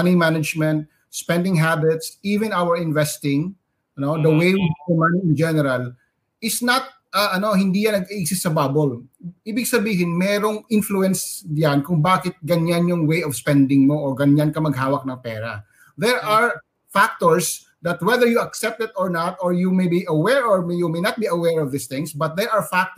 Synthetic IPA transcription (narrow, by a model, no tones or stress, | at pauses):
ɐnimanɐd͡ʒmɛ̃nt̪̚ | spɛnd̪ɪŋɦabɪt̪sʔiːvɪ̃nawɛɹɪnvɛst̪ɪ̃ŋ | nod̪ɐwejwiɛmɐniɪnd͡ʒɛnɛɾɐl | ʔɪsnɐt̪̚ | ʔɐʔɐno̞hɪnd̪iːjɐnɐɡɪʔɪk̚sɪst̪ːsɐbaːbolʔiːbɪɡ̚sɐbiːɦɪnmɛːɾoŋɪnfluɛnsjankʊŋbaːkɪt̪̚ɡɐɲanjʊŋwejɔvspɛnd̪ɪŋmoʔoɡɐɲankɐmɐɡ̚haːwɐk̚nɐŋpɛːɾɐ̰ | ðɛɹaɹ | fak̚t̪oɹs | d̪ɐt̪̚wɛðəɹjuɐksɛp̚t̪ɪt̪oɹnat̪oɹjumejbiʔɐwɛɹoɹmjumejnɐt̪̚biɐwɛɹɔvd̪ɪst̪ɪ̃ŋsbɐt̪̚d̪ɛɹʔɐɹfak̚t